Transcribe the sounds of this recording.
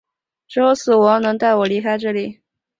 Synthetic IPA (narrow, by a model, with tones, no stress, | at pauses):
ʈ͡ʂɻ̩˧˥jo˧˥ʊsɹ̩˨˩wɔ˧˥nɤ˧˥ŋt̪a˥˩ɪwɔ˨˩li˧˥kʰa˥ɪʈ͡ʂɤ˥˩li˨˩˦